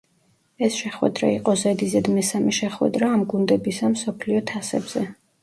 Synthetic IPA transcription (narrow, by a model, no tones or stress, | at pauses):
ɛsʃɛχwɛ̰d̪ɾa̰iqʼɔzɛd̪izɛd̪mɛsamɛʃɛχwɛ̰d̪ɾaːmɡund̪ɛbisamsɔpʰliɔt̪ʰasɛbz̥ɛ